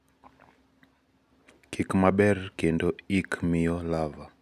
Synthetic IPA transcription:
kʰikmaɓɛrkendoikʰmijɔlava

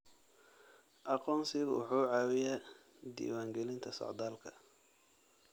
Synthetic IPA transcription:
ʔɑqɔːnsɪɣwʊ̰ħuːʕɑːwɪjaː | d̪ḭːwaːŋɡɛlɪnt̪ʰɐsɔ̰ʕd̪aːlkʰɐ̥

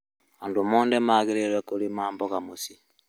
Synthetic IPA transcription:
aːndumɔːndɛmaɣeɾeɾwekoɾimaːmbɔɣamosi

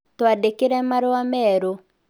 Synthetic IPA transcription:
t̪ɔadekeɾɛmaɾwamɛɾo

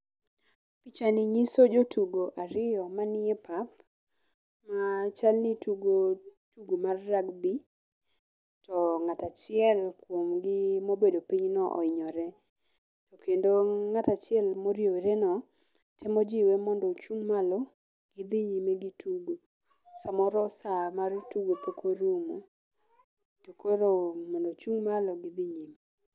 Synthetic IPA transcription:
pit͡ʃanɪɲisod͡ʒotʰuɡoʔaɾɪjɔmanɪɛpap | mat͡ʃalnituɡotuɡomarːaɡbi | tɔŋatat͡ʃɪɛlkwomɡɪmobedopiɲnɔʔɔ̰ɪɲɔɾɛ | tɔkendoŋatat͡ʃɪɛlmoɾjoɾenɔ | tʰɛmɔd͡ʒɪwemɔndɔt͡ʃuŋmalɔ | ɡ̥ɪd̪iɲimeɡituɡo | samɔɾɔsamartuɡopokʰoɾumo̰ | tokʰoɾomɔndɔt͡ʃuŋmalɔɡɪðiɲime

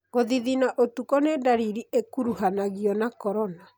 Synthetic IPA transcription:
ɣoðiðinaʔotukɔnedaɾiɾiekuɾuhanaɣiɔnakɔɾɔna

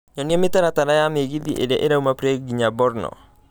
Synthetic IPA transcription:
ɲɔniɛmɪt̪ɛɾat̪anajameɡiðiʔḛdɛʔeɾaumapɾeɡiɲabɔɾnɔ̰

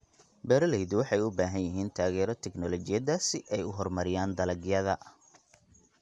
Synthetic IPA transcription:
bɛɾɐlɛjd̪wɑħɑjʊbaːɦɐnjɪɦiːnt̪ʰaːɣɛːɾɔt̪ʰɛɡnɔlɔt͡ʃɪjɐðaːsɪʔɛjʊɦɔrmɐɾɪjaːnd̪ɐlɐɡɪjɐðɐ

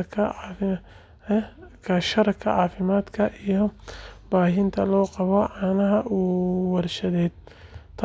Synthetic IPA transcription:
kʰɐ | kʰɐʃɐɾɐkʰːɐʕaːfɪmaːd̪kʰɐʔijɔb̥aːɦɪnt̪ʰɐlɔːqɑβɔʕɑːnɐɦɐʔuːwɐrʃɐðɛːd̪̥̚t̪ʰ

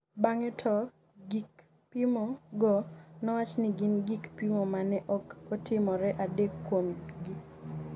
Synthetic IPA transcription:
baŋɛtʰɔ | ɡik | pimɔɡɔnɔwat͡ʃnɪɡɪnɡikpimɔmanɛʔɔkɔtɪmɔɾɛʔadɛkːwomɡi

